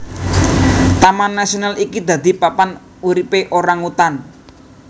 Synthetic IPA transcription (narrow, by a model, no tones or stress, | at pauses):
t̪amanːasionalikid̪ä̤d̪i̤papan | uɾipeʔoɾaŋut̪an